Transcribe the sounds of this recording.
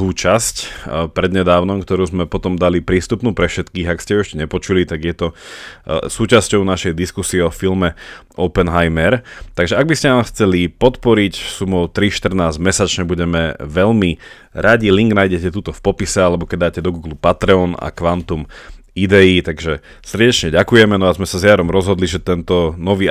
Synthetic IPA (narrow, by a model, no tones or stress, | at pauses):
uːt͡ʃascpɾɛd̪ɲɛd̪aːʊnɔmk̚t̪ɔɾuːzmɛpɔt̪ɔmd̪alipɾiːst̪upnuːpɾɛfʃɛt̪kiːɣakscɛuʊɛʃcɛɲɛpɔt͡ʃulit̪aɡjɛt̪ɔ | suːt͡ʃascɔʊnaʃɛjd̪iskusiɛɔfilmɛ | ɔpɛnɦajmɛɾt̪aɡʒɛaɡ̚biscɛnaːmxt͡sɛlipɔt̪pɔɾicsumɔʊt̪ɾiʃt̪r̩naːzmɛsat͡ʃɲɛbuɟɛmɛʋɛʎmi | ɾaɟiliŋɡnajɟɛcɛt̪uːt̪ɔfpɔpisɛalɛbɔkɛɟ̚d̪aːcɛd̪ɔɡuːɡlupat̪ɾɛɔna̰kʋant̪umid̪ɛit̪aɡʒɛ | sr̩ɟɛt͡ʃɲɛɟakujɛmɛnɔazmɛsazɪaɾɔmɾɔzɦɔd̪liʒɛt̪ɛnt̪ɔnɔʋiː